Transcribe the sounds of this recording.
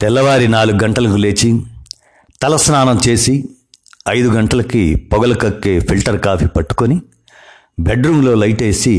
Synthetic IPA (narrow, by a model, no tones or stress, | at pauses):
t̪ɛlːɐʋaːɾinaːluɡuɡɐɳʈɐlɐkule̞ːt͡ʃi | t̪ɐlɐsnaːnɐmt͡ʃe̞ːsi | ɐjd̪uɡɐɳʈɐlɐkipɔɡɐlɐkɐkːe̞ːpʰilʈɐɾkaːpʰiːpɐʈːu̥koni | beɖɾuːŋlo̞ːlɐjʈe̞ːsi